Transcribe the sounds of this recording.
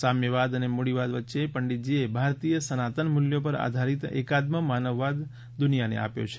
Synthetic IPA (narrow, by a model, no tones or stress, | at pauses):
samjəʋad̪ənemoɽiʋad̪ʋətːʃepəɳɖit̪d͡ʒiebʱaɾt̪ijəsənat̪ənmʊljopəɾa̰d̪ʱaɾit̪ḛkad̪məmanəʋːad̪ | d̪ʊnijanḛa̰pjo̰t͡ʃʰe̥